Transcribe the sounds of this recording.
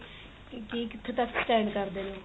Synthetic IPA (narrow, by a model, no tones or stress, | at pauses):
kiːkɪt̪ʰːeːt̪əksʈɛːnkəɾd̪eːnoː